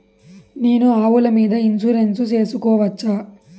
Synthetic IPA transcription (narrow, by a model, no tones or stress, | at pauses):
neːnuaːʋulɐmiːd̪ɐinsuɾensut͡ʃe̞ːsukɔːʋɐt͡ʃːaː